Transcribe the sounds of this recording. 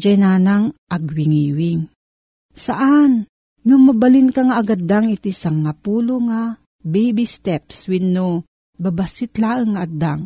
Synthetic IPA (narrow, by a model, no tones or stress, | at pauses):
d͡ʒajnaːnaŋʔaɡwiŋiwɪŋ | saʔan | numabalinkaŋaːɡad̪aŋit̪isaŋːapuːloŋa | bɛjbist̪ɛpswinːo | babasɪt̪laːʔɨŋːaʔad̪aŋ